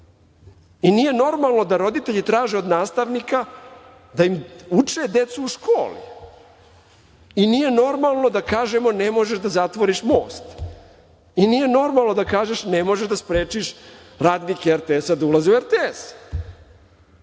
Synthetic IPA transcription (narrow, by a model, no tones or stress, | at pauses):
inije̞no̞ɾmalˠno̞d̪aɾo̞d̪it̪e̞ʎit̪ɾaːʒeo̞d̪naːst̪aʋnika | d̪aimut͡ʂe̞d̪e̞t̪suːʃkʰo̞ːlḭ | iniːje̞no̞ɾmalˠno̞d̪akaːʒemo̞nemo̞ʒeʃd̪azat̪ʋo̞ɾiʃmo̞ːst̪ | iniːje̞no̞ɾmalˠno̞d̪akaːʒeʃnemo̞ʒeʃd̪aspɾeːt͡ʃiʃ | ɾaːd̪nikeeɾt̪eesad̪aulazeueɾt̪ees